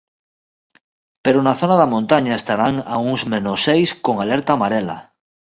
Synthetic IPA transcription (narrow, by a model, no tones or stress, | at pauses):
peɾonaθonaðamõnt̪aɲaest̪aɾaŋa̰uŋzmẽnosejskoŋaleɾt̪aːmaɾela̰